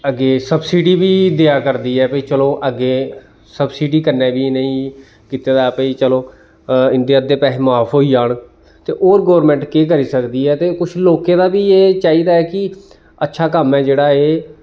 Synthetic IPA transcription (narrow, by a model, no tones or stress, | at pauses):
əɡeːsəbsiːɖiːbiːd̪eaːkəɾd̪iːɛːpəiːt͡ʃəlõːʔəɡeː | səbsiːɖiːkəɾnẽːbiːnəĩː | kiːt̪eːd̪aːpəiːt͡ʃəlõː | ɪ̃nd̪ijaːd̪eːpɛːɦmaːpʰɦoːiːaːɳ | t̪ḛːʔoːɾɡoːɾmɛ̃ːɳʈkeːk̬əɾiːsəkd̪iːɛːt̪eːkʊt͡ʃʰloːkeːd̪aːbiːeːt͡ʃaːiːd̪aːɛːkɪ | ətːʃʰaːkəmɛ̃ːd͡ʒeːɽaːeː